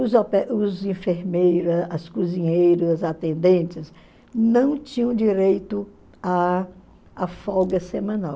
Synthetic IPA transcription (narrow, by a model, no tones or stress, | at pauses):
ʊzɔpɛʔʊzĩfeɾmejɾɐsɐskuzĩɲejɾʊzɐzat̪ẽnd̪ẽt͡ʃɪs | nɐ̃w̃t͡ʃĩɲɐ̃w̃d͡ʒiɾejt̪ʊ | aː | fɔɡɐsemɐ̃naw